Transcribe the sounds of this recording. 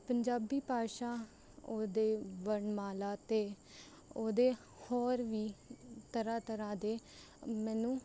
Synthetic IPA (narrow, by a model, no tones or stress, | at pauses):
pəɲd͡ʒaːbiːpaːʃãː | oːd̪eːʋəɳmaːlaːt̪eː | oːd̪eː | hɔːɾʋiːt̪əɾaːt̪əɾãːd̪eː | mɛːnũː